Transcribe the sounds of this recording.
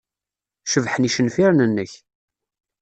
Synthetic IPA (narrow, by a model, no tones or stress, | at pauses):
ʃəvħəniʃənfiɾnənːəç